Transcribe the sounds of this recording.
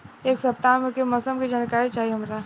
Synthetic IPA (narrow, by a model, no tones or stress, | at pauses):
eːksɐp̚t̪amẽkemɔsəmkid͡ʒaːnkaːɾit͡ʃaːɦiɦɐmɾa